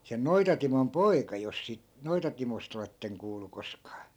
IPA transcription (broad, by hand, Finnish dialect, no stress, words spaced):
sen noitɑtimon poikɑ jos siˑt noitɑtimost oletːeŋ kuːlu koskɑː